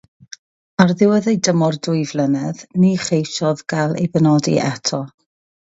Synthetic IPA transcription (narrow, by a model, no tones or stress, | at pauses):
arðɪwəðejdəmɔrdʊɨvlˠənɛðniχejʃɔðɡ̥alˠḛjbənɔdḭʔɛtʰɔ